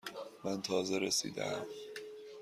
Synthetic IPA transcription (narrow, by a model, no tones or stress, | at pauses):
mænt̪ʰɒːzeɾesḭːd̪æ̰m